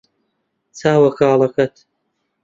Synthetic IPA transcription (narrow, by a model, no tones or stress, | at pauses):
t͡sʰaːwɐkaːlˠɐkɐt̪